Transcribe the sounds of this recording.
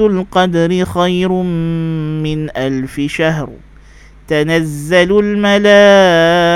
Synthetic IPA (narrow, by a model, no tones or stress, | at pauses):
ʊlqɑd̪ɾɪxajɾ | mɪnʔalfɪʃaɦɾ | t̪anazːalʊlmalaː